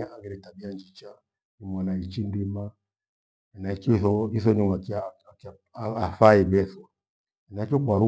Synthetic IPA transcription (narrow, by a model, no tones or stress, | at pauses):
aaɡɛɾɛtabiand͡ʒit͡ʃa | nimwanait͡ʃindima | naikɔθɔiθɔnimakik | afaibɛθɔ | naikɔkwaɾu